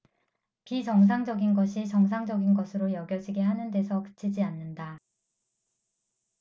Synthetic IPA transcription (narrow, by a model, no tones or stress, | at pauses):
pit͡ɕʌŋs̬ʰaŋd͡ʑʌɡinɡʌɕʰit͡ɕʌŋs̬ʰaŋd͡ʑʌɡinɡʌsʰɯɾojʌɡjʌd͡ʑiɡeɦanɯnde̞sʰʌkɯ̥t͡ɕʰid͡ʑianːɯnda